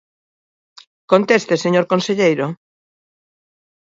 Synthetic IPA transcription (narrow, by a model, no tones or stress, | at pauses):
kont̪est̪eseɲoɾkonseʎejɾo